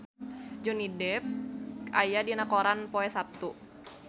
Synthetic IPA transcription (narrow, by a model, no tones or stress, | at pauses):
d͡ʒunidɛp̚ajadinakoɾanpoɛsap̚t̪u